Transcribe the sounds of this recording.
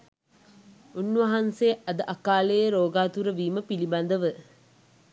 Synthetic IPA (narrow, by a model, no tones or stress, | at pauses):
unːʋɐɦanseːʔɐd̪əʔakaːləjəɾoːɡaːt̪uɾəʋiːməpiliband̪əʋə